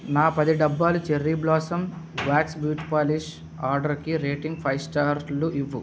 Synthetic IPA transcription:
naːpɐd̪iɖɐbːaːlut͡ʃeɾːiblɔːsɐm | ʋaːksbjuːʈpaːliʃ | aːɾɖɐɾkiɾeːʈiŋɡpʰɐjsʈaːɾluʔiʋːu

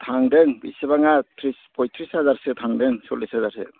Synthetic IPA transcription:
tʰaŋdɯŋbisɯbaŋatʰɾispʰɔjtʰɾishazaɾsɯtʰaŋdɯŋsɔlːishazaɾsɯ̰

